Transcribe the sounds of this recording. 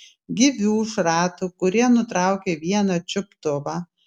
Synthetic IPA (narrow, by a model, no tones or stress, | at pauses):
ɡʲɪʋʲuːʃɾɑːt̪ukʊɾʲiɛnʊt̪ɾɑˑʊkʲeʋʲiɛnɐt͡ʃʲʊpt̪ʊʋɑː